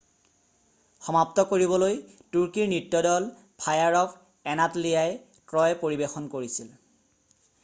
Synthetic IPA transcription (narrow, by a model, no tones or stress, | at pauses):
xɔmaptɔkoɹibɔloj | tuɹkiɹnitːjɔdɔl | pʰajaɹɔk | ɛnatlijaj | tɹɔjpoɹibexɔnkoɹisil